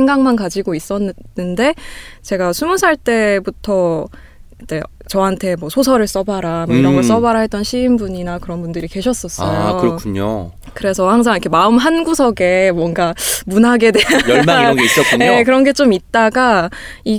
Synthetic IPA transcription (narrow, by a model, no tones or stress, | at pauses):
eŋɡaŋmankad͡ʑiɡois͈ʌnnɯnde̞t͡ɕe̞ɡasʰumusʰaɭt͈e̞butʰʌ | id͡ʑ͈e̞ | t͡ɕʌɦantʰe̞mwʌsʰosʰʌɾɯɭs͈ʌbaɾamoiɾʌŋɡʌɭs͈ʌbaɾaɦet͈ʌnɕʰiːmbuɲinakɯɾʌnbundɯɾike̞ɕʰʌs͈ʌs͈ʌjoɯɾʌkʰuɲo̰ | kɯɾe̞sʰʌhaŋs̬ʰaŋikʰemaɯmɦanɡusʰʌɡe̞mwʌŋɡamunaɡe̞dweaaɡeis͈ʌk͈uɲjekɯɾʌnɡe̞t͡ɕ͈omit̚t͈aɡai